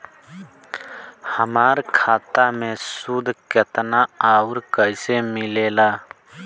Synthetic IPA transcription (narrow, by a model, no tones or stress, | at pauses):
həmaːɾkʰaːt̪amẽsud̪ʱkət̪naaːuɾkəɪsemɪleːlaː